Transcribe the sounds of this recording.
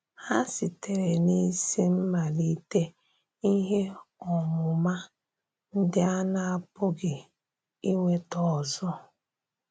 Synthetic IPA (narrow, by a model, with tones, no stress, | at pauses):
a˦sɪ˨te˨ɾe˨ni˦si˦m̩˦ma˨li˦te˦ | i˦ɦe˦ɔ˨ŋʊ˨ma˦ | n̩˦dɪ˦a˦na˦a˦pʊ˦ɡɪ˨ | i˦ŋʷe˦tɔ˨zɔ˦